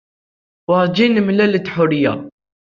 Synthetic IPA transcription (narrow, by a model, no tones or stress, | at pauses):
wɑɾˤd͡ʒinmlælət̪ːħʊɾɪja̰